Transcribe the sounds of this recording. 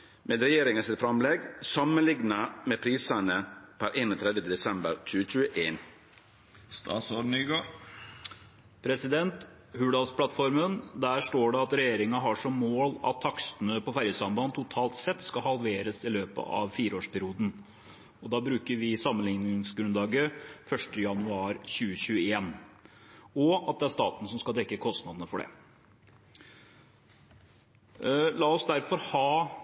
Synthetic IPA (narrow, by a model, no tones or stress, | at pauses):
meːd̪ɾɛjeːɾɪŋɑsɪt̪fɾɑmlɛɡsɑmənlɪŋnəmeːpʰɾiːsənəpʰæɾʔeːnoːt̪ʰɾɛd̪ət̪əd̪ɛsɛmbəɾc͡çʉːət͡ʃʉːəʔeːn | st̪ɑ̰ːt̪soɖn̩yɡo | pʰɾɛsɪd̪ɛnt̪ | hʉːɖɑlspʰlɑt̪fɔɾmənd̪æːʂʈoːɖɛɑt̪ɾɛjeːɾɪŋɑɦɑʂɔmːoːlɑ̰t̪ʰːɑksənəpɔfæɾjəsɑmbɑnt̪ʰʊt̪ʰɑːlt̪sɛt̪ːskɑhɑlʋeːɾəsɪløːpə̰ʔɑ̰ʋfiːɾəoːʂpʰæɾɪuːd̪n̩ | ɔd̪ɑːbɾʉːkəɾʋɪsɑmənlɪŋnɪŋŋsɡɾʉnd̪ɑːɡəfœʂʈəjɑnʉɑːɾɕʉːəɕʉːəeːn | ɔɑt̪̚d̪ɛæɾʂt̪ɑ̰ːt̪nəsɔmskɑd̪ɛkːəkʰɔst̪nɑd̪ənəfɔɖɛ̰ | lɑːɔsd̪æɾfɔɾhɑː